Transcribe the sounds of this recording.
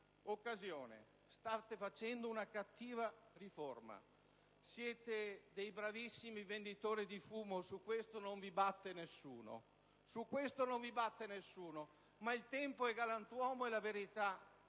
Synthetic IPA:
okːazjoːnḛ | st̪at̪efat͡ʃɛnd̪ounakat̪ːiːvariforma̰ | sjɛːt̪ed̪ejbɾavisːimivend̪it̪oːɾid̪ifuːmosukwest̪onoɱvibat̪ːenesːuːno̰ | sukːwest̪onoɱvibat̪ːenesːuːno | mailt̪ɛmpoɛɡalant̪wɔːmoɛlaveɾit̪a

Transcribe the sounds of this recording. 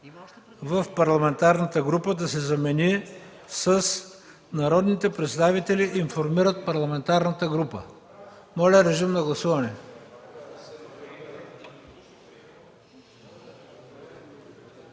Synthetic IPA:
vəfpɐɾlˠɐmɛnt̪aɾnət̪əɡɾupəd̪ɐsɛzɐmɛni | səs | nɐɾɔd̪nit̪ɛpɾɛt̪st̪avit̪ɛliʔːnfoɾmiɾət̪̚pɐɾlˠɐmɛnt̪aɾnət̪əɡɾupə̰ | mɔlʲɛɾɛʒimnɐɡlˠɐsuvɐnɛ

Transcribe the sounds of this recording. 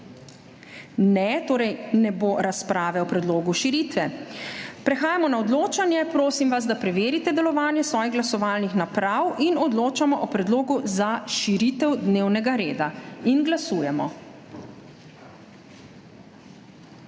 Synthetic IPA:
nɛt̪oːɾɛjnɛboːɾaspɾaːʋɛɔpɾɛd̪loːɡuʃiɾit̪ʋɛ | pɾɛxaːjamɔnaɔd̪loːt͡ʃanjɛpɾoːsimʋaz̬d̪apɾɛʋeːɾit̪ɛd̪ɛlɔʋaːnjɛsʋɔːjiɣɡlasɔʋaːlnixnapɾawinɔd̪loːt͡ʃamɔʔɔpɾɛd̪loːɡuzaʃiɾit̪ɛwd̪neːwnɛɡaɾeːd̪ainɡlasuːjɛmɔ̰

